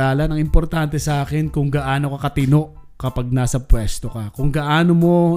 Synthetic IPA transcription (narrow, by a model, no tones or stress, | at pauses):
aːlɐnɐŋɪmpoɾt̪ant̪ɛsɐʔaːkɛnkʊŋɡɐʔaːno̞kɐkɐt̪ɪno̞ʔkɐpaɡ̚naːsɐpwɛst̪okɐkʊŋɡɐʔaːnomo̞